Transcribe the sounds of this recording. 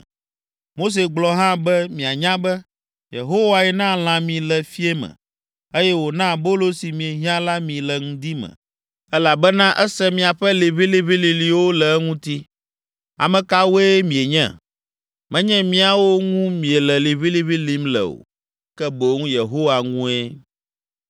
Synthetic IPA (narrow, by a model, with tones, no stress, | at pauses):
mo˦s̬e˨ɡ͡blɔ˨ɦã˦bɛ˦mĩ˨a˨ɲã˦bɛ˦ | jḛ˨ɦo˦wa˨jɛ˨nã˦l̃ã˨mĩ˨lɛ˨fi˦e˦mɛ̰̃˨ | e˦jɛ˦wo˨nã˦bo˦lo˦si˨mĩ˨e˨ɦi˦ã˦la˦mĩ˨lɛ˨ŋũ˦d̪i˦mɛ̰̃˨ | ɛ˦la˨bɛ˦nã˦ʔɛ˦sɛ˦mĩ˨a˨ɸɛ˦li˨βi˦li˦βi˦li˨li˨wo˦lɛ˨˦ŋũ˦t̪i˦ | a̰˨mɛ̃˨ka˦wo˦e˦mĩ˨e˨ɲɛ̰̃˦˨ | mɛ̃˦ɲɛ̃˦mĩ˦a˨wo˦ŋũ˦mĩ˨e˨lɛ˨li˨βi˦li˦βi˦li˦mlɛ̰˨o̰˨ | kɛ˦bo˨˦ŋũ˦je˨ɦo˦wa˨ŋũ˦e˦